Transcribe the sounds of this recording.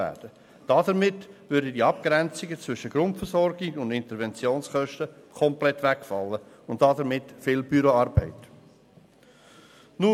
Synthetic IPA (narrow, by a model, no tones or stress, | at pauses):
æ̰ːd̥ə | d̥ɑdəɾmɪtʋʏɾdədiɑp̚ɡɾɛnt͡sɪɡət͡svʏʃəɡ̥ɾʊntfəɾsɔɾɡiɡʊndɪntəɾvɛnt͡sjoːnsχœʃtəkʰɔmplɛtːʋækfɑ̰lːə | ʊn̚d̥ɑdəɾmɪtfɪːlbyɾoɑɾbɛ̰ɪt | nu